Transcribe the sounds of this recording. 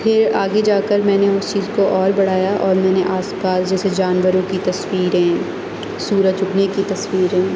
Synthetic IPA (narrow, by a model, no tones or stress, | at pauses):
pʰɪɾaːɡed͡ʒaːkəɾmɛ̃ːneʊst͡ʃiːzkoʔɔːɾbɐɽ̤aːjaʔɔːɾmɛ̃ːneʔaːspaːsd͡ʒɛːsed͡ʒaːnʋəɾõkit̪ɐswiːɾɦɛ̃ː | suːɾət͡ʃʊknekit̪ɐswiːɾɦɛ̃ː